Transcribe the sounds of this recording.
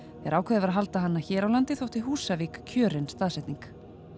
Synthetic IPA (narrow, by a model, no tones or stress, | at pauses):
ɛɾʔaːwkʰɛːðɪvɾaɦalt̪aɦanːaçɛːɾawlant̪ɪθowht̪ɪɦuːsavikkʰœːɾɪnst̪aːðsɛht̪niŋk